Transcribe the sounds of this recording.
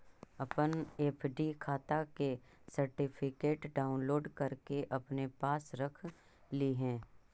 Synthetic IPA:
ɐpəneːpʰɖikʰaːt̪akesɐɾʈɪpʰɪkeːʈɖaːʊnloːɖkɐɾkeʔɐpnepaːsɾɐkʰ | liɦɛ̃ː

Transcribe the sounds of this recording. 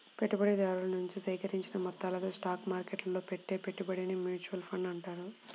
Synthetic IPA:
peʈːubɐɽid̪aːɽulɐnuɲt͡ʃisɐjkɐɾiɲt͡ʃinɐmɐt̪ːaːlɐt̪oːsʈaːkmaːɾkeʈlɐlo̞ːpeʈːe̞ːpeʈːubɐɽineːmjuːt͡ʃuʋɐlpʰɐɳɖɐɳʈaːɾu

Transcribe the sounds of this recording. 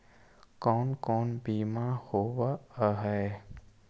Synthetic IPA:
kɔːnkɔːnbiːmahoːwaɦɛː

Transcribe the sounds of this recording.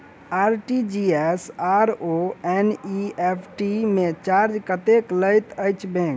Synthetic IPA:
aɾʈid͡ʒiesaɾoɛniepʰʈimet͡ʃaɾd͡ʒkət̪ekləjt̪əjt͡ʃʰbẽk

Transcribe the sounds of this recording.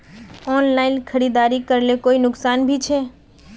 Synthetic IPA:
ɔːnlaːɪnkʰəɾiːd̪aːɾikəɾlekoːinʊksaːnbʱit͡ʃʰeː

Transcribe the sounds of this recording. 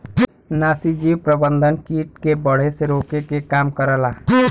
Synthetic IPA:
naːsid͡ʒiːwpɾəbə̃nd̪ʱənkiːʈkebəɽ̤eseɾoːkekekaːmkəɾəlaː

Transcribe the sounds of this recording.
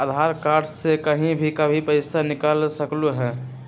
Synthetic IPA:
əd̪ʱaɾkaːɾʈsekəɦĩbʱikəbʱipəɪsanɪkalsəkluɦɛ̃ː

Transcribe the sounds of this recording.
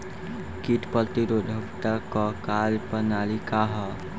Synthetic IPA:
kiʈpət̪iɾod̪ʱəpt̪akɔkalpənalikaɦɔ

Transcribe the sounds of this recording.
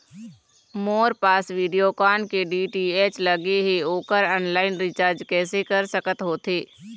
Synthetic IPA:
moːɾpaːsʋiːɖijokaːnkeɖiːʈieːt͡ʃlɐɡeɦeoːkəɾə̃ːnlaːɪnɾɪt͡ʃaːɾd͡ʒkɛːsekɐɾsəkət̪ɦoːt̪eː

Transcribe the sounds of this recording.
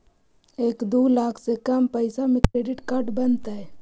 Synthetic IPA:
eːkd̪uːlaːkʰsekɐmpəɪsamẽkɾeːɖɪʈkaɾʈbənt̪aɦɛ

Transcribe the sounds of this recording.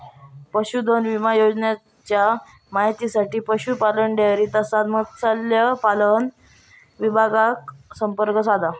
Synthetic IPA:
pəɕud̪ʱənʋimajod͡znja | t͡ɕja | maɦjt̪isaʈiːpəɕupaləɳɖeɾiːt̪əsat̪məɡt͡salːjəpalən | ʋibʱaɡaksəmpəɾkəs̬ad̪ʱa

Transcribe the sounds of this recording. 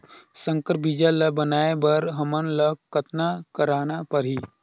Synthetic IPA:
sə̃ŋkəɾbid͡ʒalɐbənaːebəɾɦəmənləkət̪nakəɾaːnapəɾɦi

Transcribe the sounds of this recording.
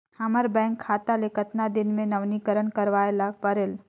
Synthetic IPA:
haməɾbɛ̃ːŋkʰːaːt̪alekət̪nad̪ɪnmẽnəʋnikəɾəɳkəɾʋaːelapəɾeːl

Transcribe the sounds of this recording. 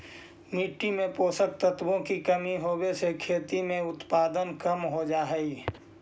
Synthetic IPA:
miːʈːimẽpoːsək̚t̪ət̪bõkikəmiɦoːbesekʰeːt̪imẽʊt̪paːd̪ənkəmɦod͡ʒaːɦɛi

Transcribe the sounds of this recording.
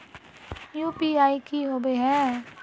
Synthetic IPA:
juːpiaːikiɦoːbeɦɛ̃ː

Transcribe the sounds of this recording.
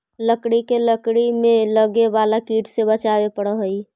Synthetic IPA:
ləkɽikeləkɽimeləɡebalakiʈʰsebət͡ʃabepəɽəɦəj

